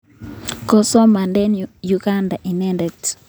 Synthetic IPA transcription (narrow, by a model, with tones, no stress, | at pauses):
kɔ˨sɔ˦ma˨ndɛ˦nju˨ɡa˦nda˨ʔi˨nɛ˦ndɛ˨t